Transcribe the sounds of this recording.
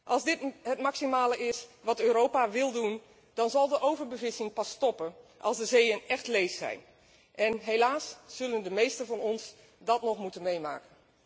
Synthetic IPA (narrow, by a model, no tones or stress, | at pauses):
ʔɑlˠzdɪtɦətmaksimaːləɪsʋɑtøːɾowpaʋɪlˠdun | d̥ɑnzɑlˠdəʔowvəɹbəvɪsɪŋpɑstɔpənʔɑ̰lˠzdəzejənɛxtlejfsɛ̰jn | ʔɛnɦelaːsːɵləndəmejstənvɑnɔns | dɑtnɔχmutənmejma̰ːkən